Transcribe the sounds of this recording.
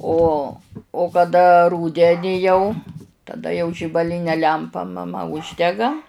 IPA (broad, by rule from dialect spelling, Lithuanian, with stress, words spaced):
ˈoː oː kɐˈdɐ ˈruːdʲɛnʲɪ jɛʊ tɐˈdɐ jɛʊ ʒʲɪbɐˈlʲɪnʲɛ ˈlʲɛmpɐ mɐˈmɐ ˈʊʒʲdʲɛɡɐ